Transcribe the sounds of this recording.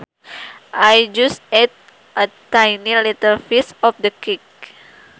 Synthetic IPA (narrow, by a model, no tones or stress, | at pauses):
ʔajd͡ʒusɛt̪̚ | ʔət̪ajnilit̪əlfisɔfdəkik̚